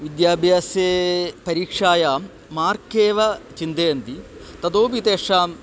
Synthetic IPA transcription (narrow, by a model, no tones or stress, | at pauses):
ʋid̪jaːbʱjaːseːpɐɾiːkʂaːjaːmː | aːɾkeːʋɐt͡ʃind̪eːɐnt̪it̪ɐt̪oːpit̪eːʂaːm